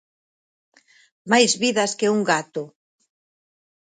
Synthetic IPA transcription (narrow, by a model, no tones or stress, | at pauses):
majzβiðɐskɪuŋɡat̪ʊ